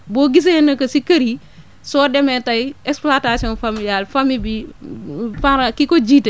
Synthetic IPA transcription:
bɔɡis̬enɐkːɐsikɐɾi | sɔːdɛmɛtɐjɛksplatasiɔːnfamiljalfamibi | faɾakikɔɟiːtɛ

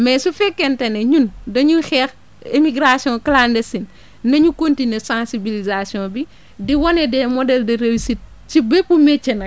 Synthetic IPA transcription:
mɛsufɛkːɛntɐneɲundɐɲuxɛːx | emiɡɾasjɔ̃klaːndesin | nɐɲukontinesãsibilizasjɔ̃bi | diwɔnɛdɛmɔdɛldɐɾewisit̚ | cibepumɛt͡ʃːɐnɐ

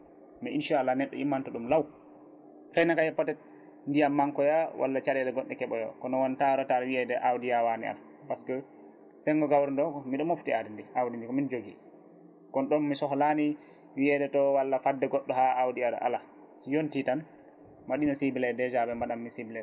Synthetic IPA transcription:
miʔinʃalanɛɗːɔ̰ʔimːantɔɗumlaw | fajnakajɛpːɔtɛt̚ | ndijamːaŋkɔjawʔa̰lːat͡ʃaɗɛdɛɡɔɗːɛkɛɓɔjɔ̰kɔnɔwantaɾɔtalwiɛdɛʔawdijawanḭa̰l | paskɔ | sɛŋɡɔɡawɾindɔkɔmiɗɔmoftiadindiʔawdindikɔmind͡ʒoɡḭ | kɔnɗɔnːisɔhɔlani | wiɛdɛtɔwalːafadːɛɡɔɗːɔhaawdiada̰ʔa̰la | sijontitan | maɗinɔsibilɛdɛd͡ʒabɛmaɗamːisibilɛ

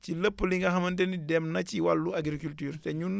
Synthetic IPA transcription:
ciləpːəliŋɡɐɦɐmɐnt̬enidɛmnɐciwalːuaɡɾikultyːɾtɛɲun

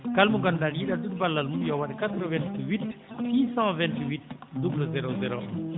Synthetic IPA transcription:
kalmuɡɔnd̪aljid̪ad̪ud̪̚balːalmujawad̪ekat̪ɾəvɛ̃nt̪ɥit̪sisɑ̃vɛ̃nt̪ɥit̪̚d̪ubləzeɾozeɾo

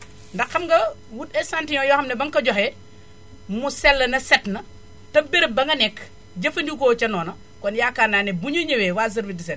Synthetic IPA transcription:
ndɐkːɐmɡɐwutɛsantiɲɔjɔxɐmnɐbɐŋkɐɟɔxɛ | musɛlːɐnɐsɛtnɐ | tɐbiɾbɐŋɡɐnɛkː | ɟɐfɐndikoːt͡ʃɐnɔːnɐ | kɔnjaːkaːnaːnebuɲɐɲɐwɛwazɐɾbidisɛn

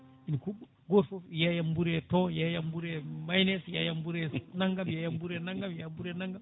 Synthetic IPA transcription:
inkubu | ɡofojajambuɾetojajambuɾemajnesja̰jambuɾenaŋɡamjajambuɾenaŋɡamjajambuɾenaŋɡam

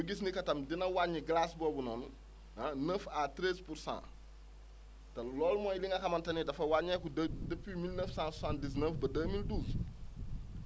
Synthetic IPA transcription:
juɡis̬nikɐtɐmdinɐwaɲːiɡlasbɔːbunɔːn | ɐnəfatɾɛspursã̰ː | tɐlɔːlmɔːjliŋɡɐxɐmɐntɐnidɐfɐwaɲɛkudəpːimilnəfsãssãːndisnəfbɐdəːmilduːs

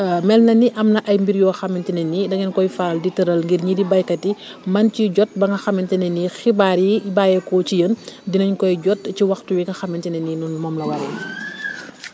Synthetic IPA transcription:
mɛlnɐniʔɐmnɐʔɐjmbiɾjɔːxɐmːɛntɛnɛnidɐɡɛnkɔjfaːlditɐɾɐlŋɡirɲidibɐjkɐtimɐnciɟɔt̚bɐŋɡɐxɐmɛntɛnɛnixibaːɾibaːjɛkɔcijəndinɐɲkɔjɟɔt̚ciwɐxtuwiɡɐxɐmɛntɛnɛninunmɔːmlɐwɐɾɛ

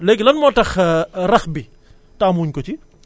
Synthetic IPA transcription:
leːkinlɐnmoːʈɐxɾɐxbi | ʈaːmuːnʲkot͡ʃʰi

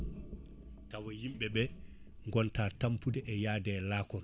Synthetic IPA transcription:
tawɔjimɓɛɓɛ | ŋɡɔntaːtampudɛʔɛjaːdɛːlaːkɔn

